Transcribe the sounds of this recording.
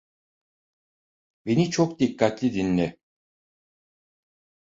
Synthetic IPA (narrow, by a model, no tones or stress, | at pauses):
be̞nit͡ʃʰok̚d̪ikʰːat̪lʲid̪inlʲɛ